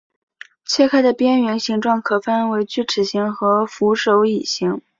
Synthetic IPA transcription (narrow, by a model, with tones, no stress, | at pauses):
t͡ɕʰjɛ˥˧kʰa˥˩ɪd̪ə˨pjɛ˥nɥɛ˧˥nɕi˧˥ŋʈ͡ʂwɑ˥˩ŋkʰɤ˨˩fa˥˩nwe˧˥ɪt͡ɕy˥˩ʈ͡ʂʰɻ̩˨˩ɕi˧˥ŋxɤ˧˥fu˧˥ʂo˧˥ʊi˨˩ɕi˧˥ŋ